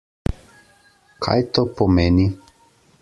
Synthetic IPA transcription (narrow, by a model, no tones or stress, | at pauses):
kʰa̰jt̪oːpɔmeːni